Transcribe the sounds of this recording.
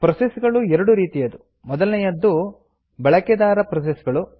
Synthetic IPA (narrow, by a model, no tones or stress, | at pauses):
pɾɐsesɡɐɭuɛɾɐɽuɾiːt̪ijɐd̪u | mɔd̪ɐlnɛjɐd̪ːu | bɛɭɐkɛd̪aːɾɐpɾɐs̬esɡɐɭu